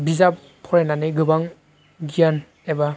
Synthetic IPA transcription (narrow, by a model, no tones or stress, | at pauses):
bizap | pʰːɔɾenaneɡɯbaŋ | ɡijan | eba